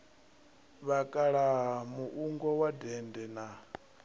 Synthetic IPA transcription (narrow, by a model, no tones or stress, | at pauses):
βakʼaɺamuʔuŋɡɔwadɛndɛna